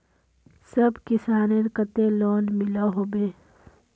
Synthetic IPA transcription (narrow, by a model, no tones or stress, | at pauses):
sɐbkɪsaːneɾkət̪ẽloːnmɪlaɦoːbeː